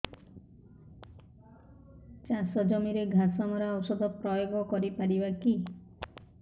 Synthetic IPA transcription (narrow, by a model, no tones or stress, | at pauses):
t͡ʃasɔd͡ʒɔmiɾeɡʱasɔmɔɾaɔwsɔd̪ʱɔpɾɔjoɡɔkɔɾipaɽibaki